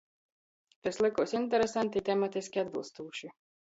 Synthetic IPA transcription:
t̪ʲɛslˠɪkuɔsʲinʲt̪̬ʲɛɾɛsant̪ʲit̪ʲɛmat̪ʲisʲkʲiad̪̚bɨlˠst̪uːʃi

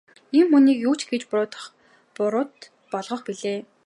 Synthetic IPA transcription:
imːɵniːkjuːt͡ɕɡet͡ɕpʊɾʊːt̪ə̥̆χ | pʊɾʊːt̪ | pɔɮʁɞ̆χpiɮeː

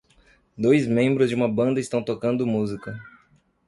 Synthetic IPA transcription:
d̪ojzmẽmbɾʊzd͡ʒɪũmɐbɐ̃nd̪ɐist̪ɐ̃w̃t̪okɐ̃nd̪ʊmuzikɐ

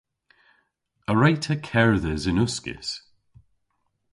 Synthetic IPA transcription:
əɹajtʰəkʰɛɹðəzɪnʊskɪ̰s

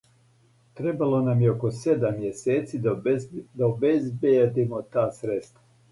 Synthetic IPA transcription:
t̪ɾebalˠo̞namjeoko̞sed̪amːjeseːt̪sid̪d̪aobezbed̪imot̪aːsɾet̪st̪ʋa

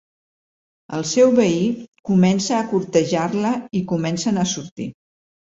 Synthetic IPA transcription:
ə̰lˠsɛwβəikumɛnsəːkuɾt̪əʒaɾləikumɛnsənəsuɾt̪ḭ

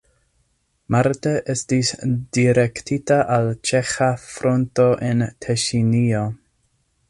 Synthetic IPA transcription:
maɾteʔe̞stisd̥iɾektitaʔalt͡ʃe̞xafɾo̞nto̞ʔentʰeʃinio

